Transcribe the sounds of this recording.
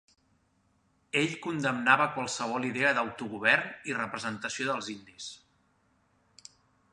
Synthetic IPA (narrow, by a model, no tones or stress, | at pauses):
eʎkund̪əmnaβəkwəlˠsəβ̞ɔliðeəðəwt̪uɣuβ̞ɛɾnirəpɾəzənt̪əsioðəlˠzind̪is